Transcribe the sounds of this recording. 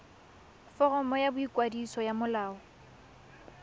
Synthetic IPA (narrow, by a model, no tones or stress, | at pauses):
fɔrɔmɔjabʊikʼwadisɔjamʊlaːɔ